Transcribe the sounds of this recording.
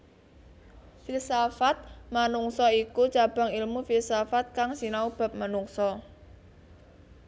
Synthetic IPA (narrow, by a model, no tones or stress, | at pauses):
filsafat̪̚manuŋsɔikut͡ʃab̥a̤ŋilmufilsafat̪̚kaŋsinaub̥a̤p̚manuŋsɔ